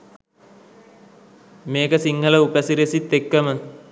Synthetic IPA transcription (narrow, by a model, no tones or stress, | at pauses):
meːkəsiŋhələupəsiɾesit̪ːekːəmə